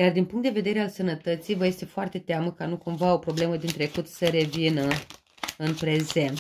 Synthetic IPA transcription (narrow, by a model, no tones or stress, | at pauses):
jard̪inpuŋkt̪d̪e̞ve̞d̪e̞ɾe̞alsənət̪ət̪sijvəje̞st̪e̞foart̪e̞t̪eaməkanukumvao̞pɾo̞ble̞məd̪int̪ɾe̞kut̪səɾe̞vinə | ɨnpɾe̞ze̞nt̪